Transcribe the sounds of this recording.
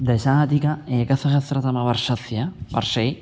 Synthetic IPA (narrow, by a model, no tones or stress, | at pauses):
d̪aesaɣat̪ikaeɡaθaʃaθeɾat̪amaβaɾsaθjaβa̰ɾsej